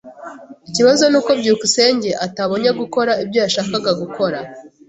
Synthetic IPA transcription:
iciβazo̞nuːko̞bɟuːkuse̞ːɲɟe̞ʔataβo̞ɲaɡuko̞ɾaib̚ɟojaʃaːkaɡaɡuko̞ɾa

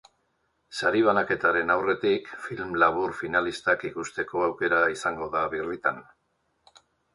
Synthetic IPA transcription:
saɾiβ̞anake̞t̪aɾe̞nawre̞t̪ikfilmlaβuɾfinalist̪akikust̪e̞ko̞awke̞ɾaisaŋɡo̞ðaβirit̪an

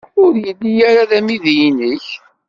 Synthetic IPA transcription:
ʊɾjəlːijæɾaðæmiðjinəç

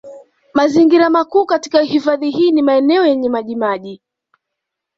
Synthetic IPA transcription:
maziŋɡiɾamakuːkati̥kahifaðiɦiːnimaɛnɛɔjɛɲɛmaʄimaʄi

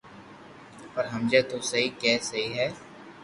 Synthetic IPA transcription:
pɐɾɦɐmd͡ʒat̪osɐɦikɛːsɐɦiɦɛː

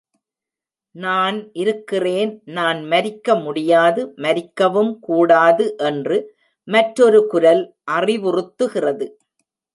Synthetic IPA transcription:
naːnʔɪɾɯkːɪreːnnaːnmɐɾɪkːɐmʊɽɪjaːðɯmɐɾɪkːɐʋɯmkuːɽaːðɯʔɛndrɯ | mɐʈɾɔɾɯkʊɾɐl | ʔɐrɪʋʊrɯt̪ːɯɣɪrɐðɯ

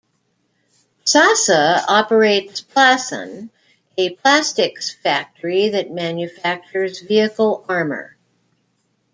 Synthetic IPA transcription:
sɑsəɑpə˞eɪtspʰl̥æsə̰̃n | ɨpʰl̥æstɨksfæk̚tʰə˞iðɨt̚mæ̃njɨfæk̚t͡ʃə˞zviɨkl̩ˠɑɹmə̰˞

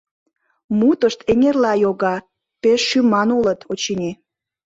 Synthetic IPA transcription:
mut̪əʃt̪eŋʲerlɑjoɣɑ | peʃːymɑnulət̪ʰot͡ɕinʲi

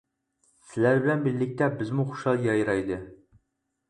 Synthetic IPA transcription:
sɪlæɾbɪlɛnbɪlːɪk̚ʲt̪ɛbɪzmuχu̥ʃɑlˠɡʲɑjɾɑjd̪ɨ

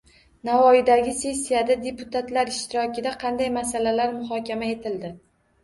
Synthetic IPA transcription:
navɒjɪd̪aɡʲɪse̞sːijad̪ad̪e̞pʰʊt̪ʰat̪laɾɪʃt̪ʰɪɾɒkʲɪd̪aqʰɑnd̪ajmasalalaɾmʊɦɒkʲʰamae̞t̪ʰɪld̪ɪ

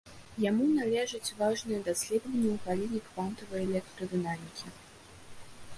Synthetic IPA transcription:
jamunalʲɛʐɐt͡sʲvaʐnɨjɛd̪asʲlʲɛd̪vɐnʲːɐwɣalʲinʲikvant̪ɐvɨjɛlʲɛk̚t̪ɾɨd̪ɨnamʲikʲi

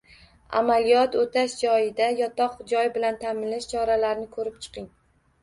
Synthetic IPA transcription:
a̰malijɒt̪ot̪ʰaʃd͡ʒɒjɪd̪ajɒt̪ɒqd͡ʒɒjbɪlant̪ʰamɪlɪʃt͡ʃʰɒɾalaɾnɪkʰɵɾɪp̚t͡ʃʰɨ̥qɪŋ

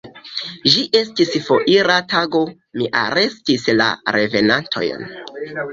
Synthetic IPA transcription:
ʒiʔe̞stisfo̞ʔiɾataɡo̞ | miʔa̰ɾe̞stisla̰ɾe̞ve̞nantʰo̞̰jn

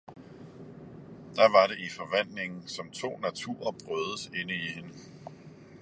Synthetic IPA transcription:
d̥æ̈ʋɑ̈ɾe̝ifɒ̽ʋæn̰le̝ŋn̩sɒ̽mt͡sʰo̝̰ːnæt͡sʰṵːɐb̥ʁœðˠəse̝nəihe̝nə

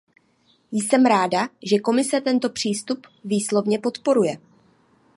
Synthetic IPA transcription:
jsɛmɾaːdaʒɛko̞mɪsɛt̪ɛnt̪o̞pr̝̥iːst̪up | viːslo̞vɲɛpo̞t̪po̞ɾujɛ

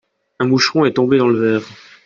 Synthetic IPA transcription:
ɛ̃muʃχɔ̃ɛt̪ɔ̃bed̪ɑ̃ləvɛːʁ

